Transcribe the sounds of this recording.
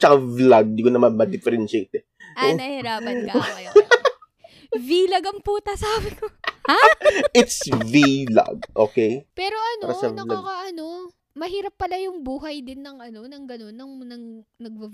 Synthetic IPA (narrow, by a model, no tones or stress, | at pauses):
t͡ʃɐkavlɐɡ̚d̪iːkonɐmanmɐd̪ɪfɛɾɛnʃɛjt̪ɛ | sɐnɐhɛɾaːpɐnɐɐj | vilɐɡɐŋpuːt̪ɐsaːbɪkohaʔɪt̪svila̰ɡ̚ʔo̰ːkɛjpɛːɾo̞ʔɐnːoɾasɐvɐlɐkɐʔɐno̞ | mɐhiːɾɐpːɐlajʊŋbuːɦɐjd̪ɪnːɐŋʔɐno̞nɐŋɡɐno̞nːɐŋnɐŋnɐɡ̚bɐ